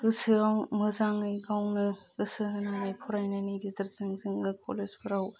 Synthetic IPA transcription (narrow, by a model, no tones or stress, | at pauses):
ɡɯsɯawmɯzaŋɯjɡawnɯɡɯsɯɦɯnanajpʰɔɾajnajnajdizɐɾzɯŋzɯŋɯkʰo̰lezbʰɯɾaw